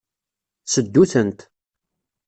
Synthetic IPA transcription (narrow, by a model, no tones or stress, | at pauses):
səd̪ːuθənt̪